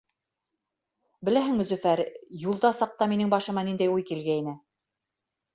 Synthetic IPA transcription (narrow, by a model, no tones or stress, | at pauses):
bɘ̆læɦɘ̆ŋmɘ̆zɵ̆fæɾjulˠd̪ɑsɑq̚t̪ɑminɘŋbɑʃɤ̆mɑnind̪æjujkilɡæinɘ